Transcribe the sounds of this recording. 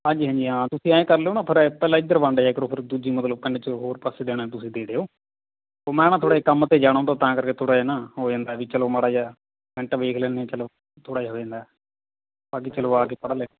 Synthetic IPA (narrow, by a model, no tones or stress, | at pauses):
ɦãːɲd͡ʒiːɦãːɲd͡ʒiːɦãːt̪ʊsĩːaːẽːkəɾleoːnãːpʰɪɾpɛːlãːɪd̪əɾʋə̃ɳɖːaːɪkɾoːpʰɪɾd̪uːd͡ʒiːmət̪ləb̚kəɳɖeːt͡ʃəɦoːɾpəseːd̪eːɽ̃aːt̪ʊsĩːd̪eːɽeːoː | oːmɛ̃ːnaːt̪ʰoːɽaːekəmət̪eːd͡ʒaːɽ̃ãːt̪aːt̪ãːkəɾkeːt̪ʰoːɽaːeːnaːɦoːd͡ʒãːnd̪aːʋiːt͡ʃəloːməɽaːd͡ʒaː | ʋɛ̃ɳʈaʋeːkʰlɛːneːt͡ʃəloː | t̪ʰoːɽaːɦoːd͡ʒãːnd̪a | baːk̬iːt͡ʃəloːaːkeːpəɽleː